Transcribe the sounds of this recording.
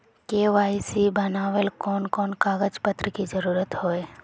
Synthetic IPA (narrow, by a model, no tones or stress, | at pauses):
keʋaisibənaʋelkɔnkɔnkaɡəd͡ʒpət̪ɾəkid͡ʒəɾuɾət̪ɦoj